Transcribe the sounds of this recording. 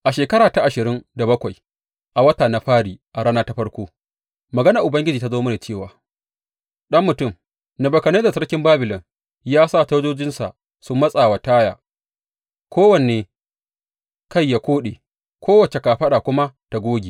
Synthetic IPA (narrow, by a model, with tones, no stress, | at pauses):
ʔa˨ʃeː˨kɐ˦ɾaː˨ta˨ʔa˨ʃɪ˨ɾɪ˦nda˨bɐ˦kʷa˨j | ʔa˨wɐ˦taː˨na˦ɸaː˦ɽiː˨ʔa˨ɽaː˦naː˦ta˦ɸɐ˦ɽkʷoː˦ | mɐ˨ɡɐ˦na˨ʔʊ˨bɐ˦ŋɡʲɪ˦d͡ʒiː˨ta˦zoː˦m˦neː˨t͡ʃeː˦˨waː˨ | ɗɐ˦mːʊ˨tʊ˦˨m | na˨bɐ˨kɐ˨ne˦da˨sɐ˦ɽkʲɪ˦mbaː˦bɪ˨lɔ˨ŋ | jaː˦saː˦˨tɐ˦d͡ʒoː˦d͡ʒɪ˦nsa̰˨ʔ | sʊ˦mːɐ˦sʼaː˨wa˨taː˦ja̰ː˨ | kʷʰoː˦wɐ˨nː˨eː˨ | ka˦˨jːa˦kʷoː˦ɗe˨ | kʰʷoː˦wɐ˨t͡ʃe˨ka˨ɸɐ˦ɗaː˨kʷʊ˦ma˦ta˨ɡʷoː˦ɡʲiː˨